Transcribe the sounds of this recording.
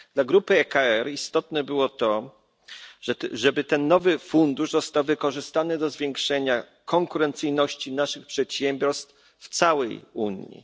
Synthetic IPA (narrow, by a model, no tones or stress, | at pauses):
d̪laɡɾupɘɛkaɛɾist̪ɔt̪nɛbɘwɔt̪ɔ | ʐɛbɘt̪ɛnːɔvɘfund̪uʐzɔst̪awvɘkɔʐɘst̪anɘd̪ɔzvʲjɛŋkʂɛɲa | kɔŋkuɾɛnt̪sɘjnɔɕt͡ɕinaʂɘxpʂɛt̪ɕɛmbʲjɔɾst̪f | ft̪sawɛjṵɲjḭ